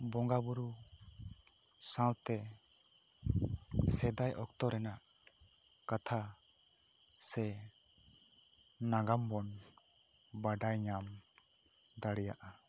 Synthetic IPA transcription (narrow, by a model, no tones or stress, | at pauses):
bɔŋɡabuɾu | sãwt̪ɛ | sɛd̪ajʔɔkt̪ɔɾɛnaʔ | kat̪ʰa | sɛ | naɡambɔn | baɖajɲam | d̪aɽɛjaʔa